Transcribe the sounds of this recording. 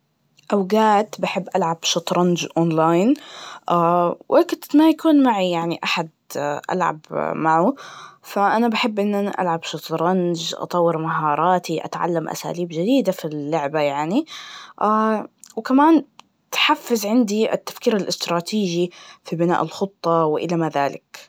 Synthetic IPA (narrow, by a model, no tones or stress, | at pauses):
ʔawɡaːt̪baħɪbːʔalʕab̥ʃɑt̪ˤɾˤɑnd͡ʒʔoːnlaːjnʔaːwʔekʊt̪majakuːnmaʕijaʕniʔaħad̪̚ʔa̰lʕa̰bmaʕufaʔanabaħɪbːʔɪnːʔanaʔa̰lʕabʃɑt̪ɾˤɑnd͡ʒʔɑ̰t̪ˤɑwːɪɾmaɦɑːɾˤɑːt̪iʔa̰t̪ʕa̰lːamʔa̰sa̰ːliːbd͡ʒɪd̪iːd̪afilːʊʕbajaʕniʔawkamaːn | t̪ħafːɪzʕɪnd̪iʔɪ̰t̪ːḁfkiːɾalʔɪst̪ɾˤɑːt̪ʰiːʒifibɪna̰ːʔɪlxʊt̪ˤːɑwɪʔɪlamaðaːlɪk